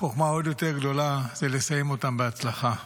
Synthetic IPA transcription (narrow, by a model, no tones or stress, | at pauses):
χo̞χmao̞d̪jo̞t̪eʁɡd̪o̞lazele̞sajemo̞t̪ambeat͡slaχa